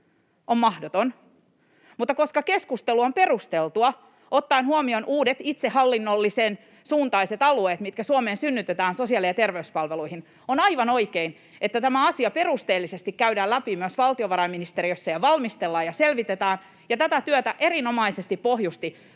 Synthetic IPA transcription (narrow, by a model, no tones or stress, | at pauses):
ommɑhdot̪on | mut̪ːɑko̞skɑkeskust̪eluompe̞rust̪elt̪uɑ | ot̪ːɑinhuomionʔuːdet̪it̪sehɑlːinːolːisen | suːnt̪ɑiset̪ɑlueːt̪mit̪kæsuomeːnsynːyt̪et̪æːnsosiɑliɑt̪erʋeyspɑlʋeluihin | onɑiʋɑno̞ikein | et̪ːæt̪æmæɑsiɑpe̞rust̪eːlːisest̪ikkæydæːlæpimyøsʋɑlt̪ioʋɑɾɑiminist̪eɾiøsːɑjɑʋɑlmist̪elːɑːjɑselʋit̪et̪æːn | jɑt̪æt̪æt̪yøt̪æʔe̞rino̞mɑisest̪ippohjust̪i